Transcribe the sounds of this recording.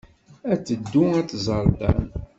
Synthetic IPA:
æt͡sːəd̪ːuæt̪ːzˤəɾˤd̪ɑ̰n

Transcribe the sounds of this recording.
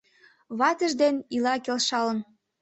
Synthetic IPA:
βɑt̪ə̆ʒd̪enilɑkelʃɑlə̆n

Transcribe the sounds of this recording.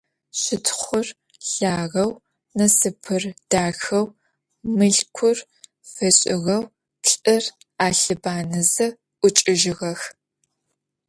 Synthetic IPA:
ɕɪtʰχʷʊr | ɬaːʁɐw | nɐsɨpʰɨrd̥aːxɐw | mɨɮkʷʰʊr | fɐɕʼɪɣɐw | pɬʼɨr | aːɬɨbaːnɨzɨ | ʔʷʊt͡ʃʼɪʒɪɣɐx

